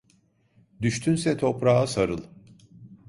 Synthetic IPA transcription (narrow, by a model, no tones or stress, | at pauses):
d̪yʃt̪ʰynsɛt̪ʰo̞pɾaːɯsaɾɯlˠ